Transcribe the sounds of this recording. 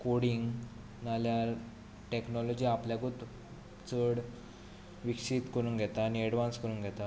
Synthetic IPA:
koɽiŋɡ | nalja | ʈeknɔlɔd͡ʑiːapljaɡot̪ | t͡səɽ | ʋikʂit̪kəɾũːnɡʱɛt̪aːniɛɽʋãnskəɾuːnɡʱɛt̪a

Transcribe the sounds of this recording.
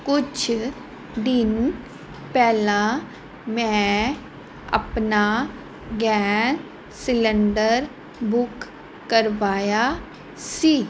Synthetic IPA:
kʊt͡ʃʰ | d̪ɪn | pɛːla | mɛ̃ | ɐ̰pna | ɡɛː | sɪlə̃ɳɖəɾ | bʊkː | əɾʋaːja | siː

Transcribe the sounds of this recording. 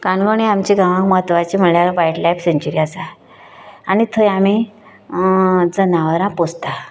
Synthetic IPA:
kanɡoɽ̃iamt͡ɕiɡãʋãkməɦət̪ʋat͡ɕim̤əɳljaɾʋajʈlajfseɲt͡ɕuɾiasaː | nit̪ʰəjami | d͡zənaʋəɾãpost̪a

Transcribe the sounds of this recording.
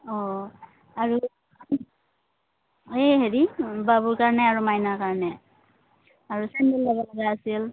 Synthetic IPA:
ɔ | aɹu | eɦeɹibabuɹkaɹnɛaɹumajnakaɹnɛ | aɹusɛndelːɔɡalɔɡaasil

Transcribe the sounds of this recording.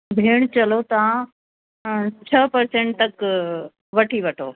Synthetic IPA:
bʱeːɽ̃t͡ɕɐlot̪ɐʋã | t͡ɕʰəpɐɾsẽːɳʈ̚t̪ɐk | ʋɐʈʰiʋɐʈʰo̰ː

